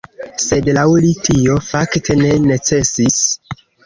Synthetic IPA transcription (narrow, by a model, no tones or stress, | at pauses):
se̞dlawlitʰio̞faktʰe̞ne̞net͡se̞sis